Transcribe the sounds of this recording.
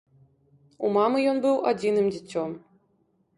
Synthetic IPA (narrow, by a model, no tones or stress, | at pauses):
ṵmɑmɤjonbɨwˠɔdʲinɨmdʲit͡sʲːom